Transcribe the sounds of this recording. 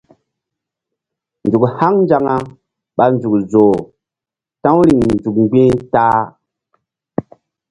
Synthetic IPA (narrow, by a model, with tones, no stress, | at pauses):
nd͡zu˨kha˦ŋnd͡ʒa˨ŋa˦ | ɓa˨nzu˨kzo˨ | tã˦wɾi˨ŋnzu˨k̚ŋ͡mɡ͡bĩ˦ta˦